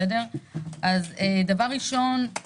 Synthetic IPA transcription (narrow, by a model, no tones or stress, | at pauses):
edeʁʔazed̪avaʁːiʃo̞n